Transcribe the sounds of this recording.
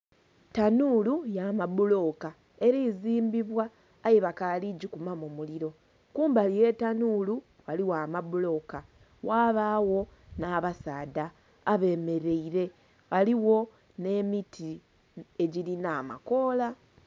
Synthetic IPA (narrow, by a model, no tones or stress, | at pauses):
tanuːlujamabulo̞ka | e̞ɾiːziːmbiβwaː | jeβakaliɟikumamomuliɾo̞ | kuːmbalije̞tanuːlu | waliwaːmabulo̞ka | waːβaːwo̞naːβasaːdaː | βe̞ːme̞ɾe̞iɾe̞ | aliwo̞ | ne̞ːmitʰi | e̞ɟilinaːma̰ko̞ːla